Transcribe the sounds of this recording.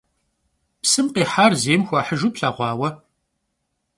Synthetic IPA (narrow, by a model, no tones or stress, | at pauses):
psɨmqeːħaːrzeːmxʷɑːħəʒuːpɬaːʁʷɑːwɐ